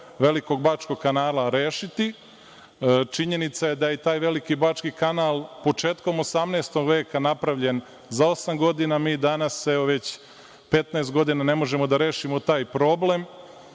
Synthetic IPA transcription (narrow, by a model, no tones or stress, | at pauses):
ʋe̞liko̞ɡ̚baːt͡ʃko̞ɡ̚kːanaːlaɾeːʃit̪i | t͡ʃiɲe̞nit̪sajed̪ajet̪aːjʋe̞likibaːt͡ʃkikanaːlˠpo̞t͡ʂe̞ːt̪ko̞mosamnest̪o̞ɡʋe̞ːkanapɾaʋʎe̞n | zao̞samɡo̞d̪inamiːd̪anaseoʋe̞t͡ɕ | pe̞t̪naest̪̚ɡo̞d̪inane̞mo̞ʒe̞mo̞d̪aɾe̞ːʃimot̪aːjpɾo̞ble̞m